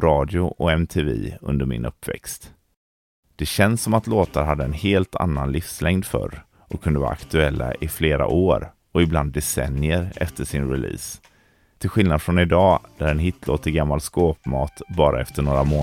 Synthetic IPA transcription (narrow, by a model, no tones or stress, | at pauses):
ɾɑːd̪jʊʔɔɛmt̪ʰeːvḭːɵ̰nd̪əɾmɪ̰nʔɵpːvɛ̰kst̪ | d̪̥ɛɕɛnsːɔmat̪loːt̪aɾɦad̪ːəɛnheːlt̪ʰa̰nːanlɪfslɛŋd̪fœ̰ɾ | ʔɔkʰːɵnd̪əvɑ̰ːɾa̰kt̪ɵɛlːa̰ʔɪfleːɾa̰ʔoːɾ | ɔɪbland̪ːɛsɛ̰nɪəɾɛ̰ft̪əʂɪnɾɪlḭːs | t̪ʰɪlɧɪlnad̪fɾɔnɪd̪ɑːd̪̥æɾɛnɦɪt̪ʰlot̪ʰɪɡamːalskoːpmɑːt̪bɑːɾʔaɛft̪əɳoːɾamoː